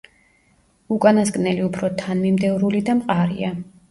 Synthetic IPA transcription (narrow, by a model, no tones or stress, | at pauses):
ukʼanasɡʼnɛliupʰɾɔt̪ʰanmimd̪ɛvɾulid̪amqʼaɾḭa